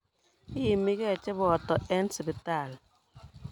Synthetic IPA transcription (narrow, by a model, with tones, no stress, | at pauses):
i˦ji˨mi˦kɛ˦˨t͡ʃɛ˦bɔ˨tɔ˨ʔɛ˦nsi˨bi˨ta˦˨l